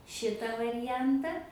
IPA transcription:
ˈʃʲɪtɐ ʋɐrʲɪˈjɛntɐ

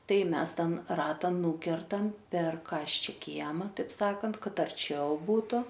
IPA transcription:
ˈtɐɪ ˈmʲɛs ˈtʲɛn ˈrɑːtɐ ˈnuːkʲɛrtɐm pʲɛr ˈkɑːsʲt͡ʃʲɛ ˈkʲiɛmɐ tɐɪp ˈsɑːkɐnt ˈkɐt ɐrʲˈt͡ʃʲɛʊ ˈbuːtʊ

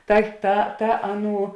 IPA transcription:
ˈtɐ tɐ tɐ ˈɑːˌnuː

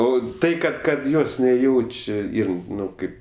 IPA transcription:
ˈoː ˈtɐɪ kɐt ˈkɐt ˈjoːs nʲɛˈjɛʊt͡ʃʲ ˈiːr ˈnʊ ˈkɐɪp

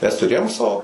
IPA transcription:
ˈmʲɛs tʊˈrʲeːjoːm ˈsɐoː

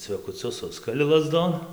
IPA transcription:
t͡sʲʋʲɛkʊˈt͡sʲʊs ˈsʊskɐlʲɪ lˠɐˈzdoːn

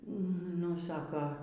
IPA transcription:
nʊ ˈsɑːkɐ

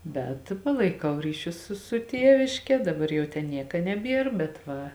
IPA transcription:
bʲɛt ˈpɑːlˠɐɪˌkɐʊ ˈrʲiːˌʃʲʊs ˈsʊ sʊ ˈtʲiɛʋʲɪʃʲkʲɛ ˈdɑːˌbɐr ˈjɛʊ ˈtʲɛn ˈnʲiɛkɐ nʲɛˈbʲiɛr bʲɛt ˈʋɐ

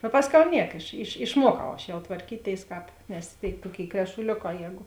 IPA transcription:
ɐ ˈpɑːsʲˌkʲɛʊ ˈnʲiɛk ɪʃ ɪʃ ɪʃˈmuɔkɐʊ ɐʃ jɛʊ tʋɐrʲˈkʲiːˌtʲeːɪs ˈkɑːp nʲɛs tʲeːɪ ˈtuɔˌkʲeːɪ krʲɛʃʊˈlʲoːˌkɑː ˈjɛːɡʊ

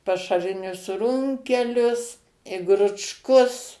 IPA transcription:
pɐʃɐˈrʲɪnʲʊs ˈrʊŋʲkʲɛlʲʊs ɪ ɡrʊt͡ʃˈkʊs

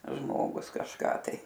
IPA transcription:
ˈʒmoːɡʊs kɐʃˈkɑː tɐɪ

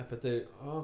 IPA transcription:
ɐpʲɪ ˈtɐw ˈoː

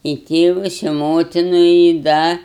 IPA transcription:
ɪ ˈtʲeːʋɐs ɪ ˈmoːtʲɪnʊ ɪ ˈdɐ

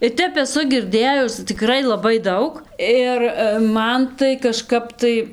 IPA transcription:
ɪr ˈtʲɛp ɛˈsʊ ɡʲɪrʲˈdʲeːjʊs tʲɪkˈrɐɪ lˠɐˈbɐɪ ˈdɐʊk ˈɪr ˈmɐn tɐɪ kɐˈʃkɐp tɐɪ

